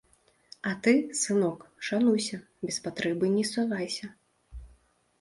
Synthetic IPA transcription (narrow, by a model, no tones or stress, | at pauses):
at̪ɨsɨnɔkʂanujsʲɐ | bʲɛspat̪ɾɛbɨnʲɛsɔvajsʲɐ